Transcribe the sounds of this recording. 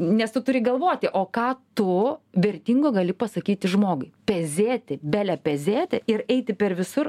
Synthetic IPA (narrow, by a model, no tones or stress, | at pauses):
nʲɛst̪ʊt̪ʊɾʲɪɡɐlˠʋoːt̪ʲɪʔoːkɑːt̪ʊʋʲɛɾʲt̪ʲiːŋɡoːɡɐlʲɪpɐsɐkʲiːt̪ʲɪʒmoːɡʊɪpʲɛzʲeːt̪ʲɪbʲæːlʲɛpʲɛzʲeːt̪ʲɪɪɾɛɪt̪ʲɪpʲɛɾʋʲɪsʊr